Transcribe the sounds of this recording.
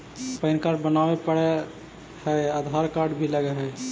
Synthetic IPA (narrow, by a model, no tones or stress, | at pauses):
pəɪnkaɾbənawepəɽɛ | hɛəd̪ʱɦaɾkaɾɖbʱiləɡɛɦɛ